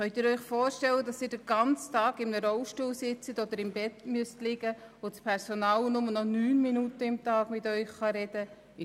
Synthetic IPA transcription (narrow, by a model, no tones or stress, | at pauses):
χœʏtɪːɾœʏχfoːɾʃtɛlːədɑsɪːɾdəɡ̥ɑnt͡stɑːɡɪmnəɾɔʊʃtuːlsɪt͡sətod̥̪əɾɪmbɛtmyəstlɪɡə | ot͡spʰɛɾsonɑːlnʊmənɔnyːnminutəɪmtɑːɡ̥mɪtœʏχχɑɾɛd̥ə